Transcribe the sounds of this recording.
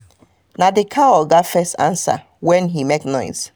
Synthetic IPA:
nadɪkʰawɔɡatfɛstã̰nsa̰ | wɛ̃nɦimeknɔ̃ɪs

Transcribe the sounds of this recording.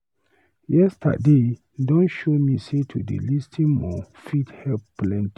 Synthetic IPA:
jɛstʰa̰de | dɔ̃nʃomisetʰudḛlistʰĩnmɔ̰fithɛlpːlɛ̃nti

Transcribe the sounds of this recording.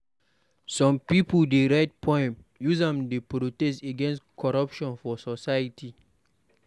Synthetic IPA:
sɔ̃mpipuldeɹaɪt̚pʰɔ̃ɪ̃mjuzãmdepɾotɛsteɡɛ̃nstkʰɔɹapʃɔ̃nfɔsɔsajitʰi

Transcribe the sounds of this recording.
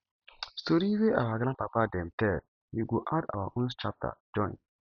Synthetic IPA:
stoɾiweʔawaɡlãpapadɛ̃mtɛ | juɡoʔada̰waʔõnst͡ʃap̚tʰa̰d͡ʒɔ̃n

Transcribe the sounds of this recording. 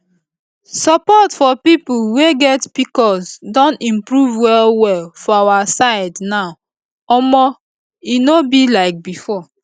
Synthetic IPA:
sapɔtfɔpipuweɡɛtpikɔsdɔ̃ntĩmpɹuvwɛlwɛlfɔawasaɪdnaʊ | ɔmɔ | inobilaɪk̚bifɔ

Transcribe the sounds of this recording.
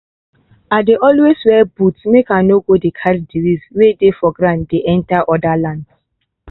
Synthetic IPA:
adeʔɔlweswɛbutmekanoɡodekʰaddiɾizwedefɔɡɾãntdeʔɛ̃ntaʔɔdalãnds

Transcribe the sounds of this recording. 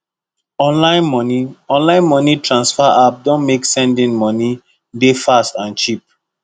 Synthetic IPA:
ɔ̃nlãɪ̃nmɔniɔ̃nlãɪ̃nmɔnitɹãnsfaʔap̚dɔ̃nmeksɛ̃ndĩnmɔni | defastãnt͡ʃip̚

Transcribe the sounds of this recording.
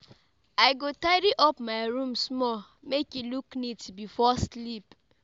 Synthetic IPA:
aɪɡotaɪɾiʔɔpmaɪɾũmsmɔ | mekiluknitbifɔslip

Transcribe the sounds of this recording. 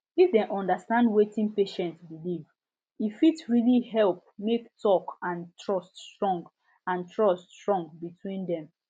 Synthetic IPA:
ifdɛ̃nʔɔ̃ndastãndwetĩnpeʃɛ̃ntbiliv | ifitɹilihɛlp̚mektʰɔkãntʰɹɔststɹɔ̃ŋɡ | ãntʰɹɔstɹɔ̃ŋɡbitʰwĩndɛ̃m

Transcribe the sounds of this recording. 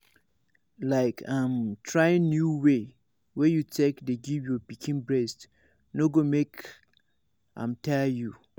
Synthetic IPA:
laɪkʰãmtʰɹajɪ̃nnjuwe | wɛjutʰekdeɡivjɔpikʰĩnbɹɛst | noɡomek | ã̰mtʰɛju

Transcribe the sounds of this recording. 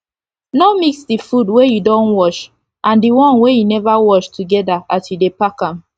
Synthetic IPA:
nɔmiksdifudwejudɔ̃nwɔʃ | ʔãndiwɔ̃nwejunɛvawɔʃtʰuɡɛdaʔasjudepakãm

